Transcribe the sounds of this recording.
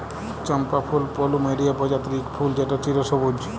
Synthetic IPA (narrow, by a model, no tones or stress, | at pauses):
t͡ʃəmpapʰulpɔlumeɾiapɔd͡ʑat̪ɾikpʰuld͡ʒeʈat͡ʃiɾosɔbod͡ʒd͡ʒ